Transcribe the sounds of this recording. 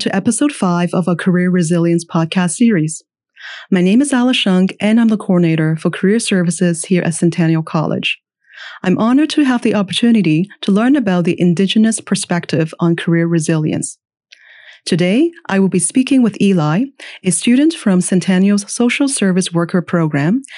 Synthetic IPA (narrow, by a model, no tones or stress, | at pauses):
tʰɨʔɛpɨsoʊd̥faɪvʌvəkʰə˞ɪɹɹɨzɪlˠjɨ̃nspʰɑd̚kʰæstsɪɹiz̥ | maɪnẽɪ̃mɨzælˠəʃʌ̃ŋkʔɨ̃nãɪmðəkʰɔɹneɪɾə˞fə˞kʰə˞ɪɹsɜ˞vɨsɪz̥hiɹʔɨ̰tsɨ̃ntʰæ̃njl̩ˠkʰɑ̰lˠɪ̰̥d͡ʒ | ãɪ̃mʔɑnə˞d̚tʰɨəvðiʔɑpə˞tʰʉnɨɾiɾʰəlɜ̃˞nɨbaʊt̪̚ðiʔɨ̃ndɪd͡ʒɨnɨspʰə˞spɛk̚tʰɪvn̩kʰə˞ɪɹɹɨzɪlˠjɨ̰̃ns | tʰɨdeɪʔaɪwəlˠbispikɪ̃ŋwɨðilaɪɨstʉdⁿn̩tfɹʌ̃msɨ̃ntʰænjoz̥soʊʃl̩ˠsɜ˞vɨswɜ˞kʰə˞pʰɹ̥oʊɡɹæ̃m